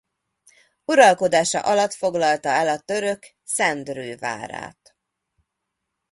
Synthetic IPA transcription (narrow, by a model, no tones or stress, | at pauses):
uɾɒlko̞d̪aːʃɒ̰ʔɒlɒt̪fo̞ɡlɒlt̪ɒɛlɒt̪ø̞ɾø̞k | sɛnd̪røːva̰ːɾa̰ːt̪